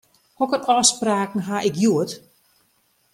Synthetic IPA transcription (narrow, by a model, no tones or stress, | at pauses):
hɔkənɔːspraːkn̩ɦaʔɪkjuət